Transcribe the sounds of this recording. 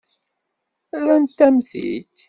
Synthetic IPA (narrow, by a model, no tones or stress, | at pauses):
ɾænt̪ːæmθḭt̪